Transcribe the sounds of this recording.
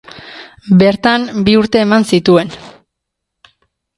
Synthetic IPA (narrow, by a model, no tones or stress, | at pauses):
be̞ɾt̪ambiuɾt̪e̞ːmansit̪ue̞n